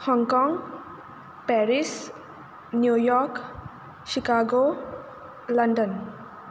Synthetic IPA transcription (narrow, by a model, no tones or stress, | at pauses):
hɔŋkɔŋ | pɛɾis | njujɔɾk | sikaɡo | lʌndɔn